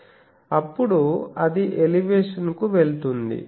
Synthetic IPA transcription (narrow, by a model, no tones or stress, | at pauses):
ɐpːuɽuɐd̪iʔeliʋeːʂɐnkuʋeɭt̪und̪ḭ